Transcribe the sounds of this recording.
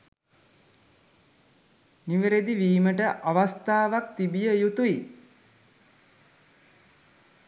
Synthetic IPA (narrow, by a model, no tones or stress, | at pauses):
niʋəɾed̪iʋiːməʈəʔaʋast̪aːʋak̚t̪ibijəjut̪ui